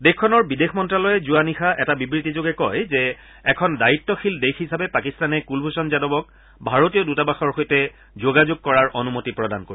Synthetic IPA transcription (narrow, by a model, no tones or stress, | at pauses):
dexkʰːɔnɔɹbidexʰmɔntɹalɔjɛzuanixaʔɛtabibɹitizoɡɛkɔjzɛ | ɛkʰɔndaitːɔxʰildekɦisabɛpakistanɛkulbʱusɔnzadɔbɔk̚ | bʱaɹotijɔdutabaxɔɹxojtɛ | zoɡazoɡ̚kɔɹaɹʔɔnumotipɹɔda̰nkoɹi